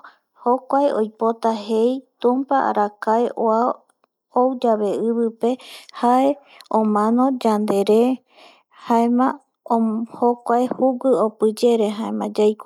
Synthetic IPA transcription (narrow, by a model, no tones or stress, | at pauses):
hokʷaeo̰jpot̪aɦejt̪ũmpaʔa̰ɾakaeʔoa | owd͡ʒaβe̞ɨβɨpe̞hae | õmãnõd͡ʒand̪e̞ɾe | haẽmã | hokʷaehuɡɨopɨd͡ʒe̞ɾeɦaẽmãd͡ʒajkʷa